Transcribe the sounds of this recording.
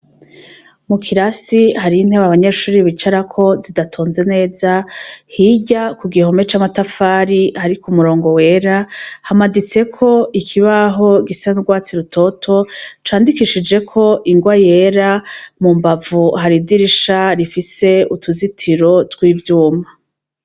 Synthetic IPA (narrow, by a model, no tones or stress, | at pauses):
mukʰiɾasihaɾiin̥he̞ːβaβaɲe̞ːʃuːɾiβit͡ʃaɾakʰo̞zidatʰoːnze̞ne̞ːzahiɟakuɡiho̞me̞t͡ʃamatafaːɾihaɾikumuɾo̞ːŋɡo̞we̞ɾahamadit͡se̞kʰo̞ʔikʰiβaɦo̞ɡisanuɡwaːt͡siɾuto̞tʰo̞t͡ʃaːndikiʃid͡ʒe̞kʰo̞ʔiŋɡwaje̞ɾamumbavuɦaɾidiɾiʃaɾifise̞utʰuzitʰiɾo̞twiːvjuːma